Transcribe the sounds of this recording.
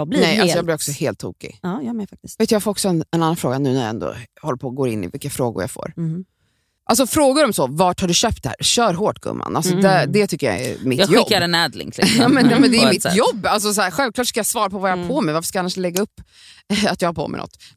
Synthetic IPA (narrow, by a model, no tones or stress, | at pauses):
blnɛjalsɔjɑːblɪɾɔksɔheːlt̪ʰːṵːkɪ̰ɑjfak̚t̪ɪsveːt̪jɑɡfoːɾɔksɔɛnɛnanːanfɾoːɡanʉ̟ːnæɾj̰ɛ̰nd̪ɔ̰hɔlːəpʰoːɡoːɾɪnːɪ̰vɪlkːafɾoːɡʊ̰ɾja̰fo̰ːɾ | ʔals̬ɔfɾoːɡʊɾɔmsɔvɑːʈhaɖɵɕøːp̚t̪̚ɛhæ̰ːɾɕœːɾɦoːʈːɡɵ̰mːa̰nalsɔd̪æd̪ɛt̪ʰʏkːəɾja̰ɛ̰mɪt̪ːjɔbːɾɛnɛd̪lɪ̰ŋkʰlɛjɑːmɛnjɛmɛnd̪ɛjmɪt̪jɔbːals̬ɔs̬æːɾɧɛlvklɑːʈskajɑsvɑːɾapʰɔvajɑhapʰɔmɛjvaɾfə̥ʂkajanːaʂlɛɡːaɵpː | at̪jɑːhapʰɔ̰mɛ̰ɪnɔ̰t̪ː